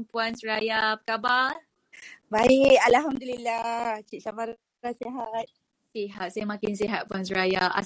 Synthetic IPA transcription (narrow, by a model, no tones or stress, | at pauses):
npuansuɾajapəkaba | baikalaɦamd̪ulilaht͡ʃiʔsabaɾ | aseɦat̪̚ | seɦat̪̚sajamãkɪns̬iɦat̪̚puans̬uɾajaʔa̰